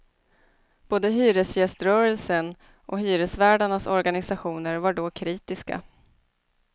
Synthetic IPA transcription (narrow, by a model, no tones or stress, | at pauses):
b̥oːd̪əɦyːɾəsjɛst̪ɾœːɾəlsən | ʔɔ̰ɦyːɾəsvæːɖaɳasɔɾɡanɪsaɧuːnəɾvaɖɔkʰɾiːt̪ɪska̰